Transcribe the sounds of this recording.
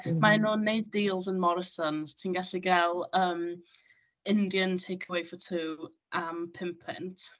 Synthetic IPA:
maɛnoːnːejd̚diːlˠzənmɔɾɪsɔnz̥tʰiːnɡaɬiɡɛlˠəːm | ɪndjəntʰejkʰəwejfətʰuː | ʔəmpʰɪmpʰɪ̰ntʰ

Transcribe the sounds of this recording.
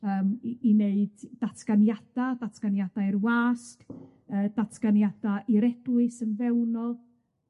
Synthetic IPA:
əːmineɨdːatʰɡ̥anjad̥adatʰɡ̥anjad̥aɨrwaːsk | əːdatʰɡ̥anjad̥aʔiɾɛdwɨsənvɛwnɔlˠ

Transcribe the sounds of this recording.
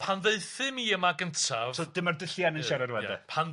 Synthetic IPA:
pʰanðeɨθɨmiːəmaɡəntʰavsod̥ɪmardəɬjanənaɾɛrwɛjdɛ̰pʰan

